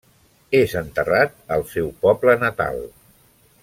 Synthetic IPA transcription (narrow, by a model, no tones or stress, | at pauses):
ezənt̪ərat̪̚əlˠsɛwpɔblənət̪a̰lˠ